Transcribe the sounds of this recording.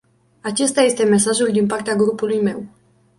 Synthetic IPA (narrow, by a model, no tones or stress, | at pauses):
at͡ʃe̞st̪aje̞st̪e̞me̞saʒuld̪inpart̪eaɡɾupulujme̞w